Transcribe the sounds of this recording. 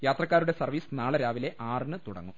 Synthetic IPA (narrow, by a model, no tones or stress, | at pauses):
jaːt̪rɐkːaːɾuɽe̞sɐrʋiːsnaːɭɐɾaːʋile̞ʔaːrnɨt̪uɽɐ̰ŋːum